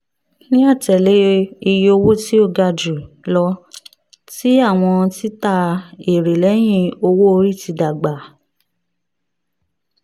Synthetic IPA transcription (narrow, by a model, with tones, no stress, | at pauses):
nĩ˦a˦˨tɛ˨le˨˦i˧jo˧wo˦ti˦o˦˧˨ɡa˧d͡ʒu˨ | lɔ˧˦ | ti˦a˦˨w̃ɔ̃˧ti˦ta˧e˨ɾe˨lɛ˨˦j̃ĩ˧o˧wo˦o˧ɾi˦˨ti˧da˨ɡ͡ba˨